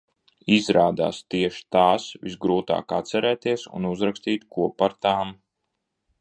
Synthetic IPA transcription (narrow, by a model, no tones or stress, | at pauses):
izɾaːd̪a̰ːst̪iɛʃi̥t̪aːsvisɡɾuːt̪a̰ːkat̪sɛɾɛːt̪iɛsṵnuzɾakst̪iːt̪kuɔpaɾt̪aːm